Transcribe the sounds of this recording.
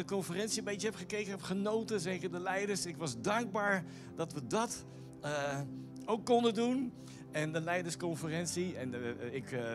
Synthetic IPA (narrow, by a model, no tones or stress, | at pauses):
dəkɔnfərɛnsiəbɛjəɦɛpχəkejkənɔpχənowtəzɛkədəlɛjdəɹsɪkʋɑzdɑŋɡ̚baːɹ | dɑtʋədɑt | owkːɔndəndun | ɛndəlɛjdəɹskɔnfərɛnsiɛnɪk